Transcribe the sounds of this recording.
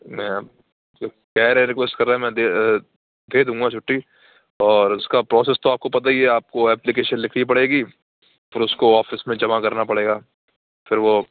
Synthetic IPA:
mɛ̃ | d͡ʒoː | kɛːɾɛ̃ɾɪkʋesʈkɐɾːaːɦɛ̃mɛ̃d̪e | dd̪eːd̪ũːŋɡat͡ʃʰʊʈːi | ɔːɾʊskapɾɔːseːst̪oaːp̚kopɐt̪̬aɦieaːp̚koɛːplɪk̬eːʃənlɪkʰɽip̬ɐɽeːɡiː | fɪɾʊskoɔːfɪsmẽd͡ʒɐmakɐɾnapɐɽeːɡaː | fʰɪɾʋo

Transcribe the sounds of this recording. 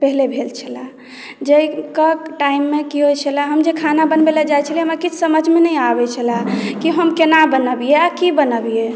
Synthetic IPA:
pəɦlebʱelt͡ʃʰəla | d͡ʒəikəkʈaimːekiɦojt͡ʃʰəlaɦəmd͡ʒekʰanabənbeləd͡ʒajt͡ʃʰəliɦəmakit͡ʃʰsəməd͡ʒʱmenəjabɛt͡ʃʰəlakiɦəmkenabənəbijeakibənəbije

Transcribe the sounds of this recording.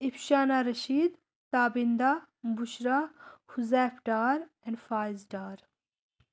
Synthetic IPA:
ipʃaːnaːɾɐʃiːd̪ | t̪aːbind̪a | buʃɾahuzɛːpʰɖaːɾɛ̃ɳɖfaːzɖaːɾ

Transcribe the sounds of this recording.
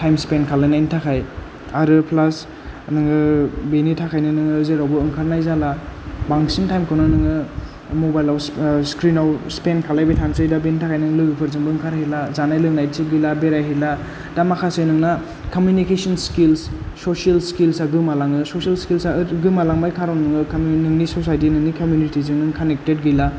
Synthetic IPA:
tʰajmspenkʰalajnajnitʰakʰaj | aɾɯpʰlas | nɯŋɯbenitʰakʰajnɯnɯŋɯːzeɾawbɯɯŋkʰaɾnajzalabaŋsintʰajmkʰɯwnɯnɯŋɯ | mobajlawsskɾinawspenkʰalajbitʰansɯjdabenitʰakʰajnɯŋlɯɡɯpʰɯɾzɯŋbɯːŋkʰaɾhilazanajlɯŋnajtʰip̚ɡilabeɾajɦila | d̥amakʰasɯjnɯŋna | komjunikesɔnskilsːosialskilsaɡɯmalaŋɯsosialskilsaɡɯmalaŋbajkʰaɾawnnɯŋɯkmnɯŋnisosajtinɯŋnikomjunitizɯŋnɯŋkʰanek̚tet̚ɡila

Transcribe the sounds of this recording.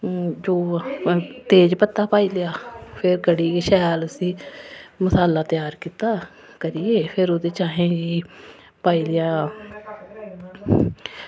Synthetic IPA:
d͡ʒoː | t̪eːd͡ʒpət̪ːaːpaːiːlɪjaːpʰɪɾkəɽiːkeʃɛːləsĩːməsaːlaːt̪ɪjaːɾkiːt̪aː | kəɾieːpʰɪɾoːd̪eːt͡ʃaːɦẽːd͡ʒiː | paːiːlɪjaː

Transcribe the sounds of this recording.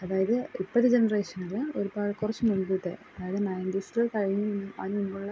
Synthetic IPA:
ɐðaːjɐðɨipːɐðːɨd͡ʑenɐreːʂɐnɐloɾubaːɻkurɐt͡ɕːɨmuɳɖuʈ̪ːɨ̰ʔɐðaːjɐðɨnɐjɐndisɐɭkɐɻiɲːuunːɨa̰ːnumboːɭɭɐ

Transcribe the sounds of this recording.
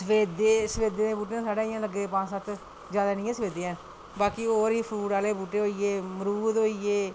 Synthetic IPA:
səʋeːd̪eːsəʋeːd̪eːd̪ẽːbuːʈ̬eãːsaːɽaːɪjãːləɡːeːpãːt͡ʃsat̪ | d͡ʒjaːd̪aːnɪ̃jãːsəʋeːd̪eːɛː | baːkioːɾiːpʰɾuːʈaːleːbuːʈeːɦoːieːməɾuːd̪oːieː

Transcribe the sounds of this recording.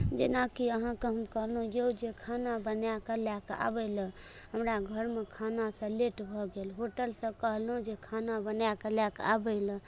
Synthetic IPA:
d͡ʒenakiəɦãkeɦəmkəɦlɦũjed͡ʒekʰanabənjakəljaka̰bələ | ɦəmɾaɡʱəɾmekʰanasə̃leʈbʱɔɡelɦoʈəlsə̃kəɦlũd͡ʒekʰanabənjakəljaka̰bəɪlə̃

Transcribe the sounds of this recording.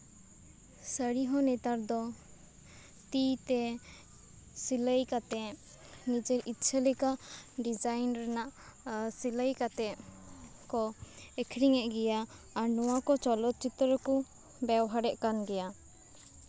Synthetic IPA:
səɾiɦɔnɛt̪aɾd̪ɔ | t̪it̪ɛ | siləjkat̪ɛ | nid͡ʒɛɾit̪t͡ʃʰəlikaɖid͡ʒajnɾɛnaʔsiləjkat̪ɛ | kɔɛkʰɾiŋɛʔɡɛjaː | ɾnɔwakɔt͡ʃɔlɔt̪̚t͡ʃit̪ɾəku | bɛwɦaɾɛʔkanɡɛja

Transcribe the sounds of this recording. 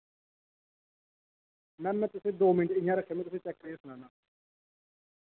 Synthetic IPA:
mɛ̃ːmɛ̃ːt̪ʊsẽːd̪oːmɪɳʈɪjãːɾəkʰːeːmẽt̪ʊsẽːt͡ʃɛkːɾeesʊnãːnãː

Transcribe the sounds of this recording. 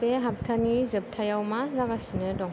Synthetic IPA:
beɦap̚tʰanizɯp̚tʰajawmazaɡasinɯdɔŋ

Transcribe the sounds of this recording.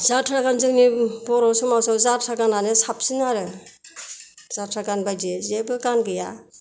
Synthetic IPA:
zatʰɾaɡanzɯŋnibɔɾɔsɔmawsawzatʰɾaɡananɯsap̚sinaɾɯ | z̥atʰɾaɡanbajd͡ʒezebɯkanɡɯja

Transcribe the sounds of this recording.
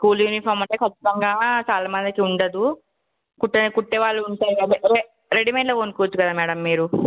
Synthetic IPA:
skuːljuːnipʰoːɾmɐɳʈeːkʰɐt͡ʃːi̥t̪ɐŋɡaːt͡ʃaːlɐmɐnd̪ɐkiuɳɖɐd̪u | kuʈːkuʈːeʋaːɭːuuɳʈaːjiɾe | ɾeɖimeːlɐːoːnkuʋɐt͡ʃːukɐd̪aːmɛːɽɐmːiːɾu

